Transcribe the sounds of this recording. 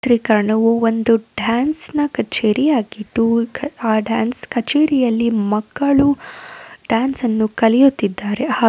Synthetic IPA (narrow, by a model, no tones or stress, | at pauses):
t̪ɾikɐɾɐɳɐʋuo̞nd̪uɖaːnsnɐkɐt͡ʃeːɾijaːɡit̪ːuaːɖaːnskɐt͡ʃeːɾijɐlːimɐkːɐɭu | ɖjaːnsɐnːukɐlɛjut̪ːid̪ːaːɾehaː